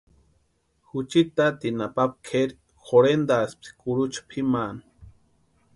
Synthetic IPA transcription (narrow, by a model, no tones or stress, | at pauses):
xut͡ʃit̪at̪inapap̚kʰeɾ | xoɾend̪asp̪̚i̥kuɾut͡ʃḁpʰiman